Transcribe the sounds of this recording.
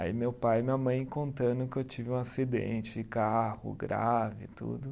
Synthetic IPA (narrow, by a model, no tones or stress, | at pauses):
a̰imewpajmĩɲɐmɐ̃j̃kõnt̪ɐ̃d̪ʊkɪewt͡ʃivɪũasid̪ḛ̃nt͡ʃɪd͡ʒɪkahʊ̰ɡɾa̰vɪ̰t̪ṵd̪ʊ